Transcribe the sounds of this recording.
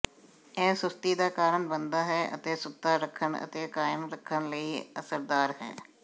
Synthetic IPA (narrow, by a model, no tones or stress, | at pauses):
ɛːsʊst̪iːd̪aːkaːɾəɳbənd̪aːɦɛːʔə̰t̪eːsʊt̪aːɾəkʰːənə̰t̪eːkaːɪənɾəkʰːənləiːəsəɾd̪aːɾɦɛ̰ː